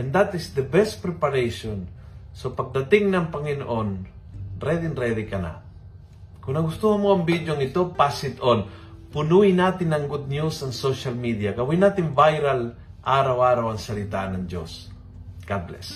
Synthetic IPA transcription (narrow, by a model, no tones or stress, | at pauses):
ʔɛnd̪at̪ɪsd̪əbɛst̪̚pɾɛpaɾejʃon | sopɐɡ̚d̪ɐt̪ɪŋnɐŋpɐŋɪno̰ʔonɾɛd̪ɪnɾɛd̪ikɐna̰ | kʊŋnɐɡʊst̪uhɐmoɐŋbid̪joŋɪt̪opasɪt̪on | pʊnuɪnaːt̪ɪnɐŋɡʊd̪̚njusɐŋsoʃalmid̪ijakɐwinaːt̪ɪnvajɾal | ʔaːɾawaːɾawɐŋsɐlɪt̪anɐŋd͡ʒo̰s | ɡ̥ablɛ̰s